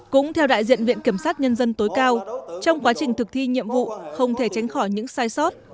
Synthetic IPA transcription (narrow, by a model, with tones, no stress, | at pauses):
kʊ̰˧˥ŋ͡mt̪ʰɛ˧wɗa̰ː˧˨jzḭ˧˨ənvḭ˧˨ənki˧˩əmsaː˦˥t̚ɲə˧nzə˧nt̪o˨˦jkaː˧wt͡ɕɔ˧wŋ͡mkwaː˨˦t͡ɕï˨˩ŋ̟t̪ʰɨ˨˩k̚t̪ʰi˧ɲḭ˧˨əmvṵ˧˨xə˧wŋ͡mt̪ʰe˧˩t͡ɕa˨˦jŋ̟xɔ˧˩jɲɨ̰˧˥ŋsaː˧jsɔ˦˥t̚